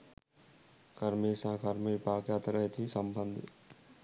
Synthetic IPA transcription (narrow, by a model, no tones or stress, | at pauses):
kɐɾmeːsãːkɐɾmeːpaːkjaːt̪ɾɐɦet̪ʰiːsɐmbənd̪ʱ